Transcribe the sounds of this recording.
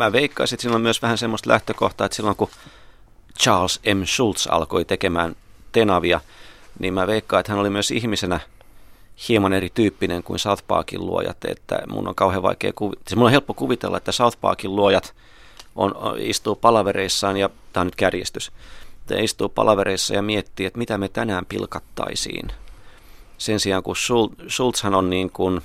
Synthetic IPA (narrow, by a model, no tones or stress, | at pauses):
mæːʋeikːɑisiet̪siːlːommyøsʋæhænsemːost̪læht̪økoht̪ɑːet̪silːoŋku | t͡ʃɑːlsemʃult̪sɑ̰lkoit̪ekemæːnt̪enɑʋiɑnʔiːmmæʋeikːɑiet̪hænolimyøsihmisenæ | hiemɑnerit̪yːpːineŋkuinsɑuθpɑ̰ːkḭllṵo̰jɑ̰t̪ḛt̪ːæ̰mṵnːo̰ŋkɑuheʋɑ̰ikḛːkuʋimulːohelpːokuʋit̪ḛlːɑ̰et̪ːæsɑuθpɑ̰ːkilluojɑt̪ | ʔo̰nḭst̪uːpɑlɑʋereisːɑːnjɑt̪æːonyt̪kærjest̪yst̪ːæ̰ist̪uːpɑ̰lɑʋeɾeisːɑjɑmiet̪ːiːet̪mit̪æmet̪ænæːmpilkɑt̪ːɑ̰isḭːn | sensiɑŋkusulsult̪shænonniːŋkun